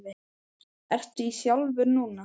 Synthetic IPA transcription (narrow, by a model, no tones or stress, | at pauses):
vɪ | ɛr̥t̪ʏisjawlvʏɾnuːna